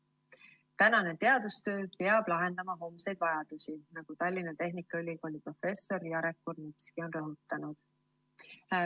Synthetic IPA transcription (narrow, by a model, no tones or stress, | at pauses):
t̪ænɑne̞t̪e̞ɑd̪̥ust̪ø̞ːpeɑb̥lɑɦe̞nd̪ɑmɑɦo̞mse̞jd̪̥vɑjɑd̪̥usinɑɡ̥ut̪ɑlʲːinɑt̪e̞ɦnikːˑɑylʲːiko̞ːlʲipro̞fe̞sːo̞ɾjɑɾekːurnit̪skio̞nrɤɦut̪ːˑɑnud̪̥